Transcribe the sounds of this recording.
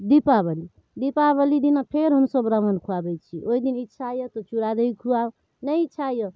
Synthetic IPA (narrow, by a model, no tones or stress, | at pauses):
d̪ipabʌli | d̪ipaβʌlid̪inapʰeɾɦʌmsʌbɾamənkʰuabʌjt͡ʃʰiʔoid̪initːt͡ʃʰajot̪ʌt͡ʃuɾad̪ʌjkʰuaw | nʌjitːt͡ʃʰajo